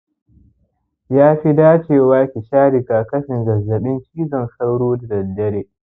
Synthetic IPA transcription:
jaː˦ɸi˦daː˦t͡ʃeː˨waː˦kʲi˨ʃaː˦ɽɪ˨kaː˨kɐ˦ɸɪ˨ŋɡɐ˨zːɐ˨ɗɪ˦ŋkʲiː˦zɔ˨nsa˦wɽoː˦da˨dɐ˨dɐ˦ɽeː˨

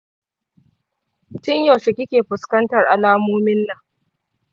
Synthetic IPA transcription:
tɪ˦ɲjo˨ʃɪ˨kʲɪ˦kʲeː˨ɸʊ˨skɐ˦ntɐ˨rʔa˨laː˦moː˦mɪ˦nːa˨

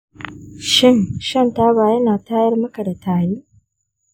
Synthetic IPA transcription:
ʃi˦nʃa˦n˨taː˦βaː˨je˦naː˨taː˦je˦ɾi˦mu˦ka˨ɾe˨taː˨ji˦

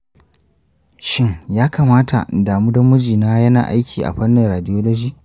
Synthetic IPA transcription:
ʃɪ˦ŋjaː˦kaː˨maː˦tʰa̰˨daː˨muː˦dɐ˦mʊ˦d͡ʒiː˨naː˦jɐ˦na̰ː˨ʔa˦jkʲʰiː˨ʔa̰˨ɸɐ˦nːɪ˨ŋɾaː˨dɪ˦joː˦loː˦d͡ʒiː˦˨

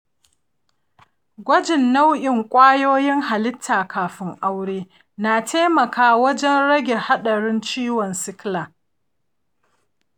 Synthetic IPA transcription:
ɡʷɐ˦d͡ʒɪ˨nːa˦wʔɪ˨ŋkʷʼaː˦joː˦jɪ˦ŋɦa˨lɪ˦tʰːaː˨kʰaː˨ɸɪ˦ŋʔa˦wɽeː˦ | naː˨tʰeː˦mɐ˨kʰaː˦wɐ˦d͡ʒɛ˦nɽɐ˦ɡʲe˨ha˦ɗɐ˨ɽɪ˦nt͡ʃiː˦wɔ˨nsɪ˦kla˨

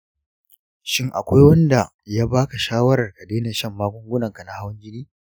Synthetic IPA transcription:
ʃɪ˦ŋʔa̰˨kʷa˦jwɐ˦nda˨ | jaː˦baː˦ka˨ʃaː˦wɐ˦ɾɐ˨rka˨deː˦na˨ʃɐ˦˨mːaː˦kʷʊ˦ŋɡʷʊ˦nɐ˨ŋka˨na˦ha˦wʊ˦ɲɡʲɪ˦niː˦

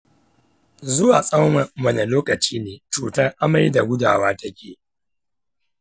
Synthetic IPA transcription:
zʊ˦waː˨sʼɐ˦wmɐ˨mɐ˦˨ne˨loː˦kɐ˨t͡ʃiː˦neː˨t͡ʃuː˨tɐ˦ŋʔa˦ma˦jda˨ɡʷʊ˦da̰ː˨waː˦ta˦kʲeː˨

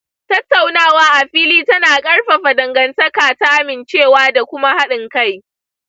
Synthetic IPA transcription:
tɐ˦tːa˨wnaː˦waː˦ʔa˨ɸiː˦liː˦tɐ˦naː˨kʼɐ˦rɸa˨ɸa˨dɐ˨ŋɡɐ˨ntɐ˦kaː˨ta˦ʔa˦mɪ˨nt͡ʃeː˦˨waː˦da˨kʷʊ˦ma˦ha˦ɗɪ˨ŋka˦˨j

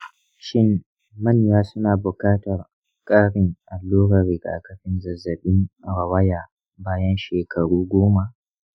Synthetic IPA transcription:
ʃɪ˦mː | ɐ˦˨ɲjaː˦sʊ˦naː˨bʊ˨kaː˦tɐ˨r | kʼaː˦ɽɪ˦˨ŋʔa˨lːoː˦ɽɐ˨ɾɪ˨ɡa̰ː˨kɐ˦ɸɪ˦nzɐ˨zːɐ˨ɓɪ˦ŋɽɐ˨wɐ˦jaː˨ | baː˦jɐ˦nʃeː˨kʰɐ˨ɽuː˦ɡʷoː˦ma˨ʔ

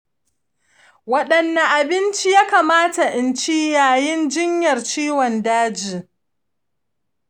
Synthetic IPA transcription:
wɐ˦ɗɐ˨nːa˨ʔa˨bɪ˦nt͡ʃi˦jaː˦kaː˨maː˦ta˨ʔɪ˨nt͡ʃi˦jaː˨jɪ˦nd͡ʒɪ˦ɲjɐ˨rt͡ʃiː˦wɔ˨ndaː˦d͡ʒiː˨

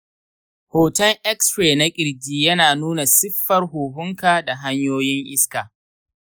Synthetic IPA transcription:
hoː˨tɐ˦ŋʔɛ˦kspɾeː˨na˦kʲʼɪ˨ɾɡʲiː˦jɐ˦naː˨nuː˦na˨sɪ˦ɸːɐ˦rɦuː˨ɦʊ˦ŋkaː˨da˨ɦa˦ɲjoː˦jɪ˦ŋʔɪ˦skaː˨

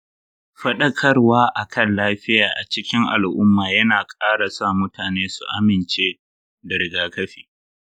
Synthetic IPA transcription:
ɸɐ˦ɗɐ˦kʰɐ˦rwaː˦ʔa˨kʰɐ˦˨nlaː˦ɸɪ˦jaː˨ʔa˨t͡ʃɪ˦kʲɪ˦ŋʔa̰˨lʔʊ˦mːaː˨jɐ˦naː˨kʼaː˦ɽa˨saː˦˨mʊ˦taː˨neː˦su˨ʔa˦mɪ˨nt͡ʃeː˦ | dɐ˨ɾɪ˨ɡaː˦kɐ˦ɸiː˨

